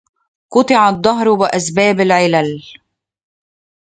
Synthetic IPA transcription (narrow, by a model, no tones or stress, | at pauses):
qʊt̪ˤɪʕad̪ˤːɑɦɾwɪʔæsbæːbɪlʕɪlæl